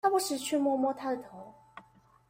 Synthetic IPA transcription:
a˥pu˥˩ʂɻ̩˥˩t͡ɕʰɛ˥˨mwɔ˥mwɔ˥t̪ʰa˥d̪ə˨t̪ʰo˨˧˥ʊ

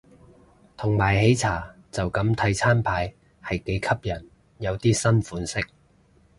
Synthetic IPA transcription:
t̪ʰʊ˨˩ŋmaː˨˩jhe˨˥jt͡sʰaː˨˩ | t͡sɐ˨wkɐ˨˥mt̪ʰɐ˧jt͡sʰaː˥npʰaː˨˥j | hɐ˨jke˨˥jkʰɐ˥p̚jɐ˨˩n | jɐ˨˧wt̪iː˥sɐ˥nfuː˨˥nsɪ˥k̚

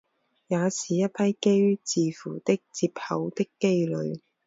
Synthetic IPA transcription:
jaː˨˧siː˨jɐ˥t̚pʰɐ˥jke˥jt͡siː˨˧fuː˨˩t̪ɪ˥k̚t͡siː˧p̚hɐ˨˧wt̪ɪ˥kːe˥jlɵ˨˧ɥ

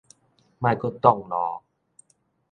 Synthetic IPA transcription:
ma˧˩kɔ˥˩t̪ɔ˥˩ŋnɔː˨˦

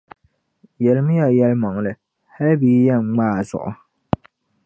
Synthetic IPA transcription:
jɛ˨lɪ˨˦m˦ja˨jɛ˦lmɔ˨ŋ˨lɨ˨ | ha˦lbiː˨˦jɛ˦ŋ͡m̩˨ŋ͡maː˦˨zʊ̰˨ʔʊ̰˨

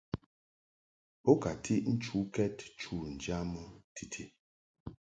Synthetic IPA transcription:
po˦ka˨tʰi˦ʔn̩˦t͡ʃu˨˦kɛ˦tt͡ʃu˦˨n̩˨d͡ʒa˦mɔ˦tʰi˨tʰi˦

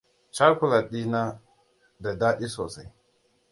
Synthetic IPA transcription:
t͡ʃa˦ku˦la˨ɗi˦na˦ | da˨da˦ʔi˦so˨sa˨

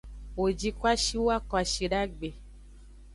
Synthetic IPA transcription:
wo˨d͡ʒi˦kwa˦ʃi˦wwa˦kɔ˨a˨ʃi˨ɖa˦ɡ͡be˨

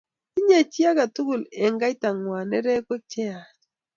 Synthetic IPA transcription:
i˦ɲe˨t͡ʃi˦a˦ka˨tu˦ɡu˨le˨ŋɡa˦i˦ta˨ŋwa˨nɛ˦ɾɛ˦ko˦t͡ʃe˦a˨

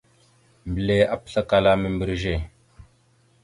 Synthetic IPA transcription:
m˨ble˨a˦p̚ɬə˦ka˨la˦mə˨mbə˨ɾʒe˦˨

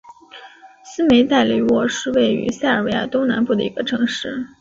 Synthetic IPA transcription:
sɹ̩˥me˧˥ɪt̪a˥˩ɪli˧˥wɔ˥˩ʂɻ̩˥˧we˥˩ɪy̰˧˥sja˥˩ɪə˞˨˩we˧˥ɪja̰˥˩t̪o˥ŋna˧˥npu˥˩d̪ə̰˩i˧˥ɡ̥ə˧ʈ͡ʂʰɤ˧˥ŋʂɻ̩˥˩

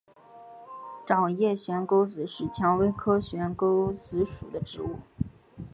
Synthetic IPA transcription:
ʈ͡ʂɑ˨˩ŋjɛ˥˩ɕɥɛ˧˥nko˥ʊt͡sɹ̩˧˥ʂɻ̩˥˩t͡ɕʰjɑ˧˥ŋwe˥ɪkʰɤ˥ɕɥɛ˧˥nko˥ʊt͡sɹ̩˧˥ʂṵ˨˩d̪ə˦ʈ͡ʂɻ̩˧˥u˥˩

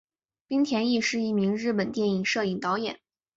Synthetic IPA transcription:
pi˥ŋt̪ʰjɛ˧˥ni˥˧ʂɻ̩˥˧i˥˩mi˧˥ŋɻɻ̩˥˩pə˨˩nt̪jɛ˥˩ni˨˩ŋʂɤ˥˩i˨˩ŋt̪ɑ˧˥ʊjɛ̰˨˩˦n

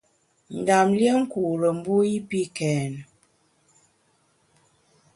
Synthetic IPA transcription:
n̩˨da˨mljə˦ŋ̩˦ku˨ɾə˨m̩˦bu˦i˦pi˦kɛː˨n˨

